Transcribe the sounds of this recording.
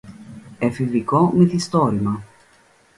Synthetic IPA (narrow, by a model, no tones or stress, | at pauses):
efiviko̞miθist̪o̞ɾimɐ